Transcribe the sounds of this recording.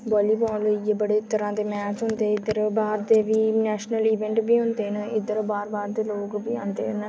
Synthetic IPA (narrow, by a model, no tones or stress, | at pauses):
bɔːliːbɔːliːebəɽeːt̪əɾãːd̪eːmɛːt͡ʃɦʊnd̪eːɪd̪əɾbaːɾd̪eːʋiːnɛːʃnəliːʋɛ̃ːɳʈbiːɦʊ̃nd̪eːnəɪd̪əɾbaːɾbaːɾd̪eːloːkbiːã̰ːnd̪ḛːn